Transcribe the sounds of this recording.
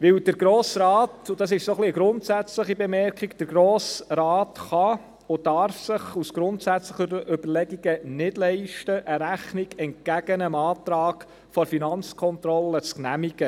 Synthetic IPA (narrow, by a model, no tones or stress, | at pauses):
ʋɪwd̥əɾɡɾoːsɾɑːtʊd̥ɑs̬ɪʃsoχliəɡɾʊntsæt͡sləχibemɛɾkχiɡd̥əɾɡɾoːsɾɑːtχɑ | ʊdɑɾfsɪχusɡ̥ɾʊntsæt͡sləχəɾʔʏbəɾlɛɡiɡənɪdlɛɪʃtəʔəɾæχniɡɛnt̚ɡæɡənəmɑːtɾɑːɡ̥ | fɔɾfinɑnt͡skʰɔnt̪ɾɔlːət͡sknæmiɡ̥ə